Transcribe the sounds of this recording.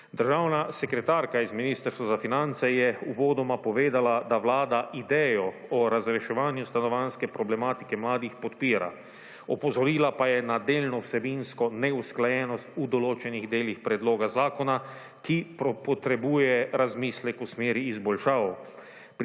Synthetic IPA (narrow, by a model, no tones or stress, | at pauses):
d̪əɾʒawnasɛkɾɛt̪aːɾkaizminiːst̪əɾst̪ʋazafinant̪sɛjɛuʋɔːd̪ɔmapɔʋeːd̪alad̪aʋlaːd̪aʔid̪ɛjɔɔɾazɾɛʃɛʋaːnjust̪anɔʋanskɛpɾɔblɛmaːt̪i̥kɛmlaːd̪ixpɔt̪piːɾa̰ | ɔpɔzɔɾiːlapajɛnad̪eːlnɔwsɛbinskɔnɛusklajɛːnɔst̪ud̪ɔloːt͡ʃɛniɣd̪eːlixpɾɛd̪loːɡazaːkɔna | kipɔpɔt̪ɾɛbuːjɛɾazmiːslɛkusmeːɾiːzbɔlʃaːw | p